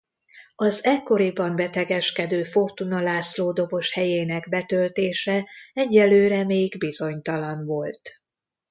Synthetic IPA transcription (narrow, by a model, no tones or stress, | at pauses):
ɒzɛkːo̞ɾibɒmbɛt̪ɛɡɛʃkɛd̪øːfo̞rt̪unɒlaːsloːd̪o̞bo̞ʃhɛjeːnɛɡbɛt̪ølt̪eːʃɛɛɟːɛlːøːɾɛmeːɡbizo̞ɲt̪ɒlɒnvo̞lt̪